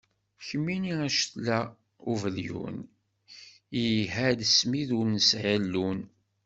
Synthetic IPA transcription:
çəmːiniæʃθlæ | uvəljṵn | ijɦæd̪əsmiðuɾnəsʕəlːun

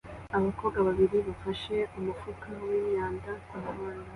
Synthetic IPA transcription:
aβako̞ːɡaβaβiɾiβafaʃe̞umufukawiːmɲaːndakahoːnda

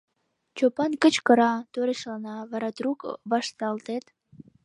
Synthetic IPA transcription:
t͡ɕopɑnkət͡ɕkəɾɑt̪øɾeʃlɑnɑβɑɾɑt̪rukβɑʃt̪ɑlt̪et̪

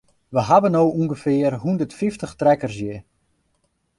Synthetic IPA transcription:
ʋəɦabənoːuŋɡəfɪərɦundərtfiftəχtrɛkərsjə

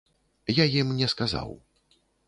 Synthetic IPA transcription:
jajimnʲɛskaza̰w

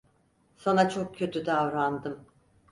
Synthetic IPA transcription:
sanat͡ʃʰok̚cʰːø̞t̪ʰyd̪avɾand̪ɯm

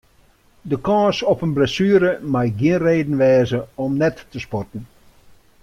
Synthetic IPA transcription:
dəkɔ̃ːsɔpənblɛsyːɾəmajɡjiənreːdn̩ʋɛːzəɔmnɛtːəspɔtn̩

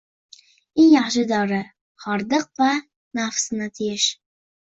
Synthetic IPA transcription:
eŋjɑχʃɪd̪ɒɾɪ | χɒɾd̪ɨq̚va | nafsɨnat̪ʰɪjɪʃ

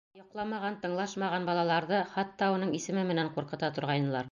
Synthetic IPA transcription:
jŏqlˠɑmɑʁɑnt̪ɤ̆ɴlˠɑʃmɑʁɑnbɑlˠɑlˠɑɾðɤχɑt̪ːɑunɤɴisɘ̆mɘmɘ̆næɴquɾqɤ̆t̪ɑt̪ŏɾʁɑjnɤ̆lˠɑɾ

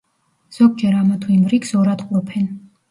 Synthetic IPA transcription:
z̥ɔɡ̚d͡ʒɛɾamat̪ʰwimɾikzɔɾad̪qʼlɔpʰɛn

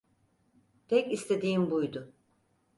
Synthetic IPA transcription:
p̪ʰɛcist̪ʰe̞d̪iːmbujd̪ʊ

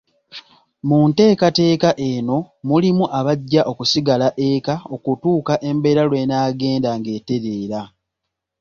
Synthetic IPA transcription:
munte̞ːkate̞ːkaʔe̞no̞ | mulimuʔaβaɟːaʔo̞kusiɡalaʔekao̞kutuːkaʔe̞mbe̞ːɾalwe̞naːɡe̞ːndaŋɡe̞ːte̞ɾe̞ːɾa

